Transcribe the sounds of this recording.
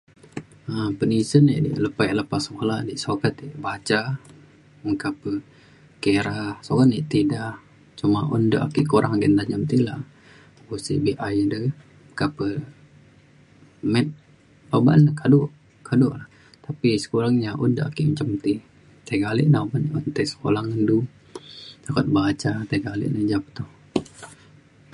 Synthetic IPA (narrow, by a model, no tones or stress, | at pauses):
əpənisənḭʔdḭʔləpajʔləpasəkolaʔdiʔsokət̪iʔbat͡ʃa | məkapə | keɾahsoɡaniʔt̪idah | t͡ʃumaʔundəʔa̰kiʔkuɾʔaŋaɡənt̪aɲamt̪ilah | busḭʔbiʔajdə | məkapə | mɛt̪̚ | baba̰nːəkaduʔ | kʰadʊʔlah | t̪apisə̥kuɾaŋɲaʔṵndəʔakiʔmət͡ʃamt̪i | t̪aiɡaliʔnapanʔunt̪ɛsə̥kolaŋəndu | t̪akət̪̚bat͡ʃat̪ajɡalḭʔnəd͡ʒapə̥t̪ɔh